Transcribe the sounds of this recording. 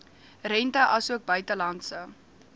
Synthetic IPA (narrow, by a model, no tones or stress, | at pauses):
rɛntəʔɐsuək̚bœɥtəlɐntsə